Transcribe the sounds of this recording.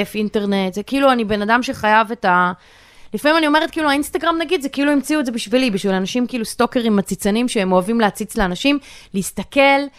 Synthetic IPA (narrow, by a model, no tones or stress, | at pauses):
efinte̞ʁne̞tzekiiluanibe̞nadamʃe̞χajave̞ta | lifamimanio̞me̞ʁet̚kiluainstaɡʁamnaɡid̪zekiiluimt͡siuedzebiʃvilibiʃvilanaʃimkiiːlusto̞keʁimat͡sit͡sanimʃeemoavimleat͡sit͡sleanaʃimleistake̞l